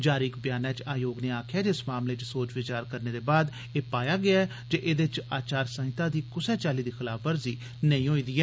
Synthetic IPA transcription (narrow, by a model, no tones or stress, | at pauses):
d͡ʒaːɾiːkbjaːnɛ̃ːt͡ʃaːjoːɡneːaːkʰjaːd͡ʒɪsmaːmleːt͡ʃsoːt͡ʃʋɪt͡ʃaːɾkəɾneːd̪eːbaːd̪ | eːpaːjaːɡɪaːɛ | d͡ʒeːʔeːd̪et͡ʃaːt͡ʃaːɾsə̃ɦɪt̪ãːd̪iːkʊsɛːt͡ʃaːliːd̪iːxɪlaːfʰʋəɾziː | nəĩːɦoːiːd̪iːɛː